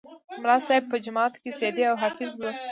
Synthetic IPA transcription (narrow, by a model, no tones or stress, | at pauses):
mɾɑsɑb̚pəd͡ʒʊmɑːt̪kesed̪eawɦafɪzlos